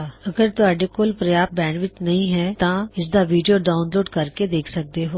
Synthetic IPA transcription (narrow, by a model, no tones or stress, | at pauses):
ɐɡəɾt̪oaːɖekoːlpɾɐjaːp̚bɛ̃ːɳɖʋɪt͡ʃ̪nɐɦĩɦɛːt̪ãɪs̬d̪aʋiːɖijoɖaːʊnloːɖkɐɾked̪eːkʰsɐk̚d̪eɦoː